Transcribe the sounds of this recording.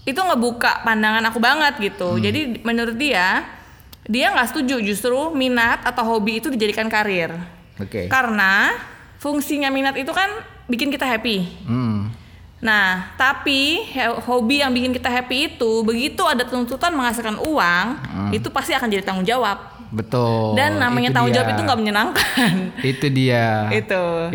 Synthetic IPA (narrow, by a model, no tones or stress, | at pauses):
it̪uŋəbuka̰pandaŋanakubaŋət̪̚ɡit̪ud͡ʒadimənuɾʊt̪̚dia | diaŋɡaʔsə̥t̪ud͡ʒud͡ʒust̪ɾuminat̪at̪awɦobiːt̪udid͡ʒadikankaɾɪr | okḛkaɾəna | fuŋsiɲaminat̪it̪ukan | bikɪnkit̪aɦapi | naht̪apihhobijaŋbikɪnkit̪aɦapiːt̪ubəɡit̪uadat̪əunt̪ut̪anməŋas̬ɪlkanʔuaŋit̪upast̪iakand͡ʒadit̪aŋʊnd͡ʒawap̚ | bət̪ʊldanːamaɲat̪aŋʊnɲd͡ʒawapit̪uŋɡaʔməɲənaŋkanit̪udiait̪u